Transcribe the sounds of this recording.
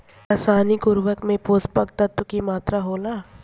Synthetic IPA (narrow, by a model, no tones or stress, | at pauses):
aːsaːnikʊɾʋəkmẽpoːspək̚t̪ɐt̪wəkimaːt̪ɾaɦoːlaː